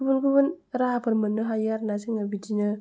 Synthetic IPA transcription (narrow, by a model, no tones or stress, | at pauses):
ubunkubunɾapəɾmənːəɦajaɾnasiŋabid͡ʒiɲə